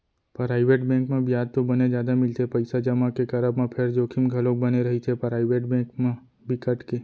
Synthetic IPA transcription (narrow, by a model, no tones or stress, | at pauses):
pɾajʋeʈbɛ̃ŋkmãbjad̪̚t̪õbəned͡ʒjad̪amɪlt̪epəjsad͡ʒəmãkekəɾəbmãpʰeɾd͡ʒokʰimɡʱəlok̚bəneɾəɦit͡ʃʰepɾajʋeʈbɛ̃kmã | bikəʈke